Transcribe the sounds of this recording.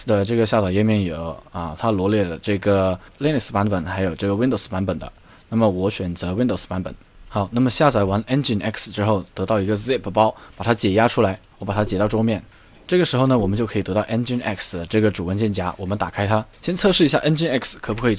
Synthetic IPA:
d̪ə˨ʈ͡ʂɤ˥˩ɡə˩ɕja˥˩t͡sa˨˩jɛ˥˧mjɛ˥˩njo˨˩˦ʊə˧t̪ʰa˥lwɔ˧˥ljɛ˥˩lə˩ʈ͡ʂɤ˥˩ɡə˩li˥˩˥ni˥˩spa˧˥npə˨˩nxa˧˥ɪjo˨˩ʊʈ͡ʂɤ˥˩ɡə˩wi˥nd̪o˧˩spa˧˥npə˨˩nd̪ə̰˦ | na˥˩mə˩wɔ˧˥ɕɥɛ˨˩nt͡sɤ˧˥wi˥nd̪o˥˩ʊspa˧˥npə̰˨˩˦n | xɑ˧˥ʊna˥˩mə˩ɕja˥˩t͡sa˧˩ɪwa˧˥nɛ˥nt͡ɕi˥˩nɛ˥ksʈ͡ʂɻ̩˥xo˥˩ʊt̪ɤ˧˥t̪ɑ˥˩ʊi˧˥ɡə˧sɛ˥˩pʰpɑ˥ʊpa˨˩t̪ʰa˥t͡ɕjɛ˨˩ja˥ʈ͡ʂʰu˥la˧˥ɪwɔ˧˥pa˨˩t̪ʰa˥t͡ɕjɛ˨˩t̪ɑ˥˧ʊʈ͡ʂo˥ʊmjɛ˥˩n | ʈ͡ʂɤ˥˩ɡə˩ʂɻ̩˧˥xo˧ʊnə˩wɔ˨˩mə˦nt͡ɕjo˥˩kʰi˨˩t̪t̪ɑ˥˩ʊʔɛ˥nt͡ɕi˥nɛ̰˥˩ksd̪ə˩ʈ͡ʂɤ˥˩ɡə˩ʈ͡ʂu˨˩wə˧˥nt͡ɕjɛ˥˩nt͡ɕja˥wɔ˨˩mə˦nt̪a˨˩kʰa˥ɪt̪ʰa˥ɕjɛ˥nt͡sʰɤ˥˧ʂɻ̩˥˩i˧˥ɕja˥˧ʔɛ˥nt͡ɕi˥nɛ˥˩kskʰɤ˨˩pu˥kʰɤ˧˥i˨˩

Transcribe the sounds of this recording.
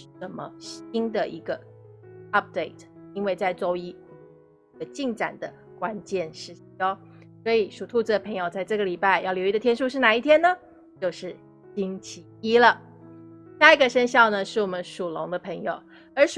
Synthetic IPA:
ʂ̩˥˩ʂə˨˩nmə̰˦ɕi˥nd̪ə˨ʔḭ˧˥ɡə˧ | ɐ˦˥p̚d̪e˥˩ɪtʰi˥nwe˥˧ɪt͡sa˥˧ɪt͡so˥ʊi˥˨˧ | ə˧t͡ɕi˥˩ŋʈ͡ʂa̰˨˩nd̪ə˦ | kwa˦˥nt͡ɕjɛ˥˧nʂɻ̩˥˩˧o˥ | swɔ˧˥i˨˩ʂu˨˩t̪ʰu˥˧t͡s̩˧˩d̪ə˩pʰɤ˧˥ŋjo˨ʊt͡sa˥˧ɪʈ͡ʂɤ˥˩ɡə˩li˨˩pa˥˧ɪjɑ˥˩ʊljʊi˧də˨t̪ʰjɛ˥nʂu˥˧ʂɻ̩˥˩na˨˩i˥˩t̪ʰjɛ˥nə˨ | t͡ɕjo˥˧ʊʂɻ̩˥˩ | ɕi˥ŋt͡ɕʰi˧˥i˥lə˨ | ɕja˥˩i˧ɡə˧ʂə˥nɕjɑ˥˩ʊnə˩ʂɻ̩˥˩wɔ˨˩mə˦nʂu˨˩lʊ˧˥ŋd̪ə˧pʰɤ˧˥ŋjo˨˩ʊ | ə˞˧˥ʂ

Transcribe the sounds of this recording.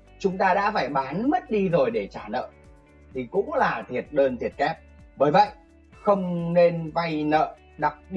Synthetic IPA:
t͡ɕʊ˨˦ŋ͡mt̪aː˧ɗa̰ː˧˥faː˧˩jɓaː˨˦nmə˦˥t̚ɗi˧zo˨˩jɗe˧˩t͡ɕaː˧˩nə̰ː˧˨ | t̪ʰi˨˩kʊ̰˧˥ŋ͡mlaː˨˩t̪ʰi˨˩ət̚ɗəː˧nt̪ʰi˨˩ət̚kɛ˦˥p̚ | ɓəː˧˩jvə̰˧˨j | xə˧wŋ͡mne˧nva˧jnə̰ː˧˨ | ɗa˨˩p̚ɗ

